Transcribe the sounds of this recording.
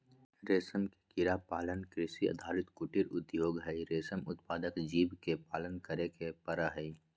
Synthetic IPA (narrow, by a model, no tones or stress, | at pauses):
ɾeːsəmke̥kɪɾapaːlənkɾɪsiɐ̰d̪ʱaːɾɪt̪kʊʈɪɾʊt̪joːɡɦəiɾeːsəmʊt̪paːd̪əkd͡ʒiːbkepaːlənkəɾekepɐɾaɦəi